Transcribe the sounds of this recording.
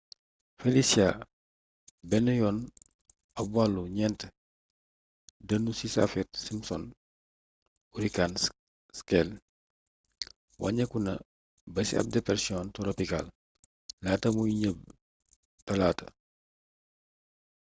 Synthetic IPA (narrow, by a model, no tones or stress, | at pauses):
felisia | bɛnujɔːn | ɐbwalːuɲɛnt | dɐnusisa̰fɛtsimsɔ̰n | uɾikan | skɛl | wʔa̰ɲɐkunɐ | bɐsḭa̰p̚dɛpɛɾsiɔntoɾopika̰l | laːtɐmuiɲəb̚ | tɐlaːtɐ̰